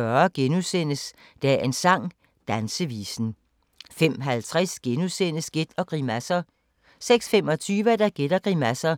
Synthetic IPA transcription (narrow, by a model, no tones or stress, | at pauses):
ɶɐɡ̥enusen̰əs | d̥ææe̝nsɑ̈ŋ̰ | d̥ænsəʋḭːsn̩ | fem̰ɦælt͡sʰʁɛsɡ̥enusen̰əsɡ̥e̝d̥ɒ̽ɡ̥ʁimæsɐ | seɡ̥sfemɒ̽t͡sʰyːʋəd̥æɡ̥e̝d̥ɐɡ̥ʁimæsɐ